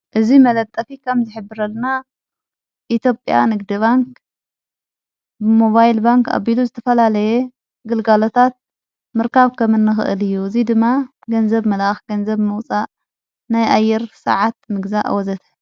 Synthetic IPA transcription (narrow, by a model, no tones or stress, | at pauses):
ʔɨzimɐlɐt̪ʼːɐfikʰɐmzɨħɨbːɨɾɐlna | ʔit̪ʰjo̞pʼja̰nɨɡd̪iβaŋk | bɨmo̞βajlbaŋka̰βiluzɨt̪ʰɐfɐlalɐje | ɡɨlɡalo̞t̪ʰat̪̚ | mɨɾkʰaβkʰɐmɨnːɨxɨ̰ʔɨlɨjːuɨzid̪ɨmːa | ɡɐnzɐβmɐlʔaxɡɐnzɐβmɨwt͡sʼaʔ | najʔajːɛɾsɐ̰ʕat̪̚mɨɡzaʔa̰wɔzɐt̪ʰɐ